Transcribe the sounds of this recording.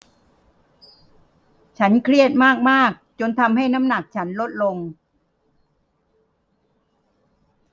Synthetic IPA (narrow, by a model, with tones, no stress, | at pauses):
t͡ɕʰa˦˥nkʰɾi˥˩ət̪̚maː˥˩k̚maː˥˩k̚t͡ɕo˧nt̪ʰa˧mɦa˥˩jna˦˥mna˨˩k̚t͡ɕʰa˦˥nlo˦˥t̪̚lo˧ŋ